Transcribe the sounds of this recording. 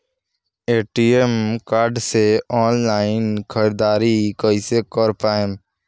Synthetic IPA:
eːʈiːemkaːɾɖseːɔːnlaːɪnkʰəɾd̪aːɾiːkəiseːkəɾpaːem

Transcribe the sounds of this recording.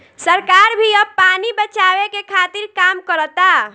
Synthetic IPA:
səɾkaːɾbʱiəbpaːnibət͡ʃaːwekekʰaːt̪ɪɾkaːmkəɾt̪a

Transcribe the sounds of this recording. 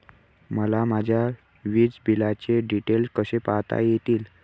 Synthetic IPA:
məlamad͡ʑʱja | ʋid͡zbʱilat͡ɕeɖiʈelskəsepaɦt̪a̰jet̪iːl

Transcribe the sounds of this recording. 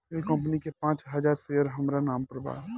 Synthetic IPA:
ekɐ̃mp̬ənikepãːt͡ʃɦɐd͡ʒaːɾsejəɾɦɐmɾanaːmpɾəba̰ː

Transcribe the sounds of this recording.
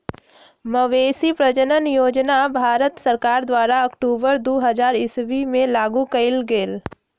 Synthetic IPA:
məʋeːsipɾəd͡ʒənənjoːd͡ʒnabʱaːɾət̪sɐɾkaːɾd̪waːɾaɐkʈuːbəɾd̪oːɦɐzaːɾɪsʋimẽlaːɡukɐɪlɡeːl

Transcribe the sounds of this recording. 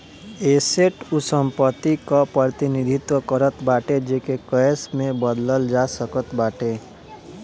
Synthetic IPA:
eːseʈʊsə̃mpət̪ːikapɾət̪inid̪ʱɪt̪wəkəɾət̪baːʈed͡ʒeːkekəsmẽbəd̪ləld͡ʒasəkət̪baːʈeː

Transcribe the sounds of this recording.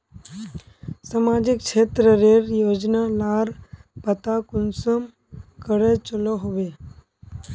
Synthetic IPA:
samaːd͡ʒɪk̚t͡ʃʰeːt̪ɾəɾeːɾjoːd͡ʒnalaːɾpət̪akʊnsəm | kəɽet͡ʃəloɦoʋe

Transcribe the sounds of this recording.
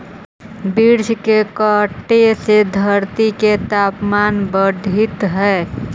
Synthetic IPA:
biɾd͡ʒkekəʈːesed̪ʱəɾt̪iket̪apmanbəd̪ʱit̪ɦɛ

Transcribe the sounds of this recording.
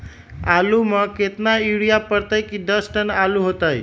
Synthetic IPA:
aluməket̪naiɽijapəɾt̪əjkid̪əsʈənaluɦot̪aj

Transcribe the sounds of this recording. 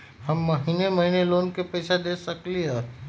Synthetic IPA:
hɐmːɐɦinemɐɦineloːnkepɛːsad̪eːsɐkleɦɛː

